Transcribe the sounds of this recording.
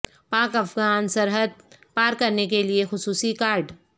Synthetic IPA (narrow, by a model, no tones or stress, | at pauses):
paːkɐfɡaːnsɐɾɦəd̪̚paːɾkɐɾnek̬eliexʊsuːsikaːɾɖ